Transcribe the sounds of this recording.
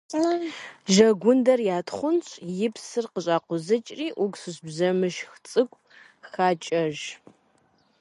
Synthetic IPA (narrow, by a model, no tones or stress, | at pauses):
ʒɐɡʷʊndɐrjaːtχʷʊnɕʼjɪpʰsɨrqəɕʼaːqʷʊzɐt͡ʃʼriːʔʊɡsɨɕbzɐmɨʃxt͡sʼɨkʷʼ | xaːt͡ʃʼɐʒ